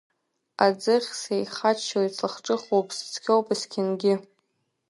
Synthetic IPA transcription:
ad͡zɨχʲsejχat͡ʃʰːalit͡sʰaχʈ͡ʂʼɨχowpʼst͡sʰkʲʰowpʼɨskʲʰɪnɡʲɪ

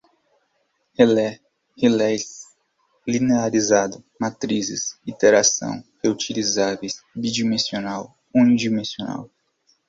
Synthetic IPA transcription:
helɛ | helɛjs | lineaɾizad̪ʊmat̪ɾizɪ̰sit̪eɾasɐ̰̃w̃heut͡ʃilizavejsbid͡ʒimẽsionaw | ũnid͡ʒimẽsiona̰w

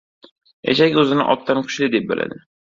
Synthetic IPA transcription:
ja̰t͡ʃakʲɵzɪnɪ̰ʔɒt̪ʰːamkʲʰʊ̥ʃlɪd̪e̞p̚bɪlʔa̰d̪ɪ

